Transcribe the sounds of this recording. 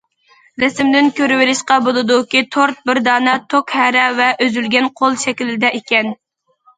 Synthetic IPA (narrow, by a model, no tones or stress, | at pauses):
ɾɛsɪmd̪ɪnkʲʰøɾɪwɪlɪʃqɑbolˠɨd̪ukʲit̪ʰoɾt̪̚bɪɾd̪ɑːnɛt̪ʰokhɛɾɛvɛʔøzylɡʲɛnqʰolˠʃɛkʲilɪd̪ɛʔekʲɛn